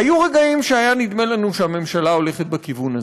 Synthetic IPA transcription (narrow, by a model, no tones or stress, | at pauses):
ajuʁe̞ɡaimʃeajanid̪me̞lanuʃeame̞mʃalao̞le̞χet̪̚bekivuna